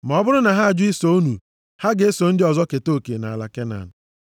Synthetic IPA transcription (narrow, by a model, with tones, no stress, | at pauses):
m˨ɔ˨˦bʊ˦ɾʊ˦na˨ɦa˦a˨d͡ʒʊ˦i˦so˦o˦nu˨ | ha˦ɡe˨˦e˦so˨n̩˦dɪ˦ɔ˨zɔ˦ke˨to˦˨ke˨na̰˨a˨la̰˨ke˦na̰˨nʊ˨